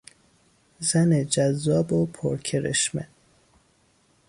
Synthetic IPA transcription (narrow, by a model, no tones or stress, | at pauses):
zæned͡ʒæzːɒːbopʰo̰ɾkʰeɾḛʃmḛ